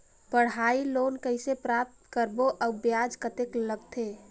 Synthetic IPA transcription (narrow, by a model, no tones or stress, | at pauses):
pəɽɦailonkəɪsepɾap̚t̪kəɾboʔəbjad͡ʒkət̪ekləɡt̪ʰe